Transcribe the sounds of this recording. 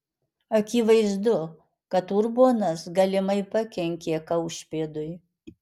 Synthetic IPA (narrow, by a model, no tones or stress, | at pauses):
ɐkʲiːʋɐɪzd̪ʊ | kɐt̪uɾboːnɐsɡɐlʲɪmɐɪpɐkʲɛŋʲkʲeːkɐʊʃʲpʲeːd̪ʊɪ